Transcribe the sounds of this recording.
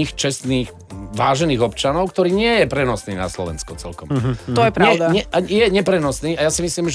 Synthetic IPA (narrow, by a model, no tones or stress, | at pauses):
xt͡ʃɛst̪niːx | ʋaːʒɛniːɣɔpt͡ʃanɔʊkt̪ɔɾiːɲɪɛjɛpɾɛnɔsniːna̰slɔ̰ʋɛ̰nskɔt͡sɛlkɔmt̪ɔɛjɛpɾaʊd̪aɲɛajɛɲɛpɾɛnɔsniːajasimisliːmʒ